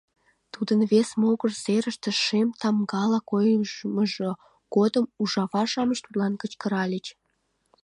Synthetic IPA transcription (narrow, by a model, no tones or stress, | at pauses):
t̪ud̪ənβesmoɣərseɾəʃt̪ĕʃemt̪ɑmɡɑlɑkojməʒo | ɡod̪əmuʒɑβɑʃɑməʃt̪ut̪lɑnkət͡ɕkəɾɑlʲət͡ɕ